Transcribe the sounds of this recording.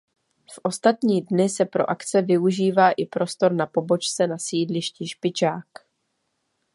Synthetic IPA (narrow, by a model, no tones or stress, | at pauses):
fʔo̞st̪at̪ɲiːdnɪsɛpɾo̞̰ʔakt͡sɛvɪuʒiːvaːʔɪpɾʔo̞st̪o̞ɾnapo̞bo̞t͡ʃt͡sɛnasiːdlɪʃciʃpɪt͡ʃaːk